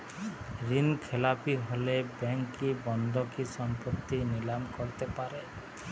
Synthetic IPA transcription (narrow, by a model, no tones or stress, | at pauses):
ɾinkʰelapiɦolebɛŋkːibɔnd̪ʱɔkisɔmpɔt̪ːinilamkɔɾt̪epaɾe